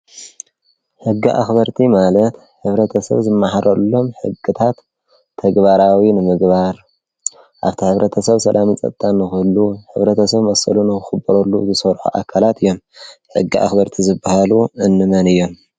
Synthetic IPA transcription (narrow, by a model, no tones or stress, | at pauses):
ħɨɡːiʔa̰xbɐɾt̪ʰimalɐt̪ | ħɨβɾɐt̪ʰɐsɐ̰βzɨmːaħaɾʔɐlːo̞mħɨ̰ɡɨt̪ʰat̪ʰː | ɐɡbaɾawinɨmɨɡbaɾ | ʔaβt̪ʰiħɨβɾɐt̪ʰɐsɐβsɐlʔamit͡sʼɐ̰t̪ʼt̪ʼːanːɨxɨlːuħɨβɾɐt̪ʰɐsɐβmɐsɨ̰lunɨxɨxɨbːɐɾɐlːṵzɨsɐɾħṵʔa̰kʰalat̪ɨjːo̞mħɨ̰ɡːiʔa̰xbɐɾt̪ʰizɨbːahaluɨnːɨmɐnɨjːo̞m